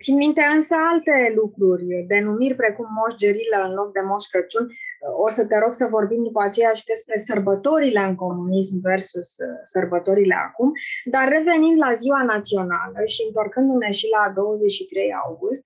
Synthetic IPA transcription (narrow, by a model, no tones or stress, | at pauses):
t̪sinmint̪e̞ɨnsəalt̪e̞lukɾurʲb̪e̞numirʲpɾe̞kumːo̞ʃd͡ʒeɾiləɨnlo̞k̚d̪e̞mo̞ʃkət͡ʃunʲosət̪e̞ɾo̞ɡsəvo̞rbimd̪upəat͡ʃe̞jaʃi̥d̪e̞spɾe̞sərbət̪o̞ɾile̞ɨnko̞munismve̞rsusːərbət̪o̞ɾile̞̰a̰kumd̪arːe̞ve̞nind̪laziwanat̪sio̞na̰ləʃiɨnt̪o̞rkɨnd̪une̞ʃilad̪o̞wəze̞t͡ʃʃit̪ɾe̞ja̰wɡust̪̚ʲ